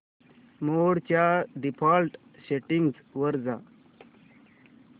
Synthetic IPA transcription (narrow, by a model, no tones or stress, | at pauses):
moːɽt͡ɕaɖipʰaːlʈ | seʈiŋɡzʋəɾd͡za̰